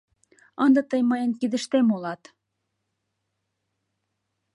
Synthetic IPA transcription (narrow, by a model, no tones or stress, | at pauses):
ənd̪ɤt̪əjmɑjənkid̪ə̆ʃt̪emolɑt̪